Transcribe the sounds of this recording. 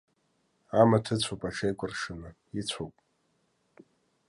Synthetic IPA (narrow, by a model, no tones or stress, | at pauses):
amatʰɨt͡sʷʰopʼaʈ͡ʂʰejkʷʼʊrʂɨnɨ | it͡sʷʰowpʼ